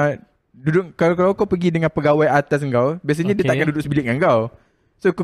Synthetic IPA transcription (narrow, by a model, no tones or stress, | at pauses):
dudʊkkalakalawkawpəɡidəŋãnpəɡawajat̪as̬əŋkawbias̬aɲadiət̪aʔkandudʊksəbilɪʔ̚ŋaŋkaw | sok